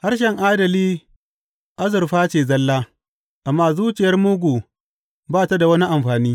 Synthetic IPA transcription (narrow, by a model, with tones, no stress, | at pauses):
ha˦rʃɛ˨ŋʔaː˦dɐ˨liː˦ | ʔa˦zʊ˨rɸaː˦t͡ʃeː˨zɐ˦lːaː˦ | ʔa˨mːaː˦zuː˦t͡ʃɪ˨jɐ˦rmʊ˦ɡʷu˨ | baː˦˨ta˦da˨wɐ˦ni˦ʔa˨mɸaː˨niː˦